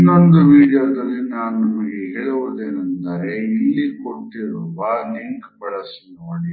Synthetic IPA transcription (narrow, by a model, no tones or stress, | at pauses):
inːond̪uʋiːɽijoːd̪ɐlːinaːnunɐmɐɡeɦeːɭɐʋud̪eːnɐnd̪aːɾeilːikoʈːiɾuːʋaliŋkbɐɭɐsnoɳi